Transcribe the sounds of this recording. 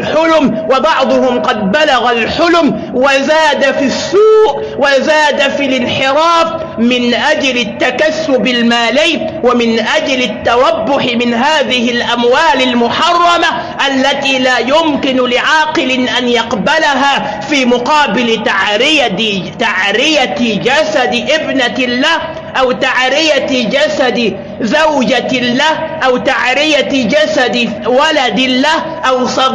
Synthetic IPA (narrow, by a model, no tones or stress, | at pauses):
ħʊlʊmwɑbɑʕd̪ˤʊhʊmqɑd̪̚balaɣalħʊlm | wazaːd̪afisːuːʔ | wazaːd̪afilɪnħɪɾɑːf | mɪnʔad͡ʒlɪt̪ːakasːʊbɪlmaːlaːwamɪnʔad͡ʒlɪt̪ːɑɾˤɑbːʊħɪmɪnɦaːðɪhɪlʔamwaːlɪlmʊħɑrˤːɑma | ʔalːat̪iːlaːjʊmkɪnlɪʕɑːqɨlɪʔanjɑqbalaɦaː | fiːmʊqɑːbɪlɪt̪aʕɾɪjat̪aʕɾɪjat̪d͡ʒasad̪ɪʔɪbnalːa | ʔawt̪aʕɾɪjat̪d͡ʒasad̪ | zawd͡ʒalːaʔawt̪aʕɾɪjat̪d͡ʒasad̪ɪ | walad̪ɪlːa | ʔawsˤɑd̪